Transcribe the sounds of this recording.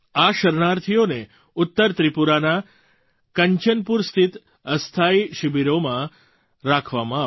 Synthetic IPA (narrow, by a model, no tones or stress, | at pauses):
aʃəɾnaɾt̪ʰijone | ʊt̪ːəɾt̪ɾipuɾana | kəɲt͡ʃənpuɾst̪ʰit̪ | əst̪ʰaiʃɪbiɾomã | ɾakʰʋamãa